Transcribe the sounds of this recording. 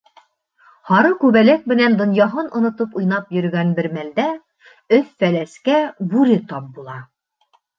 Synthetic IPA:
hɑɾɤkʉβælæk̚mɘ̆nænd̪ŏnjɑɦɤnʔŏnŏt̪ɤpujnɑpjɵ̆ɾ̆ɡænbɘ̆ɾmæld̪æ | ɵθfælæskæbuɾɘt̪ɒp̚bulˠɑ

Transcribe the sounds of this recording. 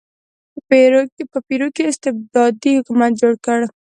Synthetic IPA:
peɾokpəpiɾokeɪst̪ɪb̚d̪ɑːd̪ihʊkumat̪̚d͡ʒoːɽkəɽ

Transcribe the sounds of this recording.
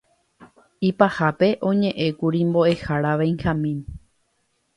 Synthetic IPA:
ipahape̞ʔõ̞ɲẽ̞ʔẽ̞kuɾimbo̞ʔe̞haɾaʋãj̃ŋxãmĩm

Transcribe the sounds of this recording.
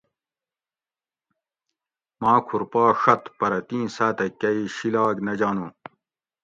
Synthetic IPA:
maːkʰuɾpaːʂɐt̪pɐɾɐt̪ĩːsaːt̪ɐkːɐiɕilaːɡnɐd͡ʑaːnũː

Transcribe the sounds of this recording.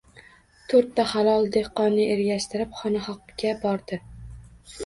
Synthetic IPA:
t̪ʰɵɾt̪ːaχalˠɒlˠd̪ehqːɒnːɪeɾɡʲaʃt̪ɪɾɪpχɒnaχɒqkʲabɒɾd̪ɪ

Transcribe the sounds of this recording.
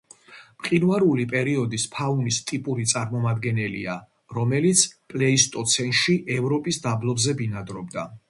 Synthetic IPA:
mqʼinvaɾulipʼɛɾiɔd̪ispʰaunist̪ʼipʼuɾit̪sʼaɾmɔmad̪ɡɛnɛlḭa | ɾɔmɛlit̪sʰpʼlɛist̪ʼɔt̪sʰɛnʃiʔɛvɾɔpʼisd̪ablˠɔbzɛbinad̪ɾɔbd̪a

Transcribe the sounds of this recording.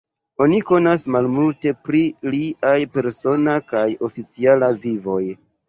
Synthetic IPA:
o̞niko̞nasmalmulte̞pɾiliʔajpe̞ɾso̞nakajo̞fit͡sialavivo̞j

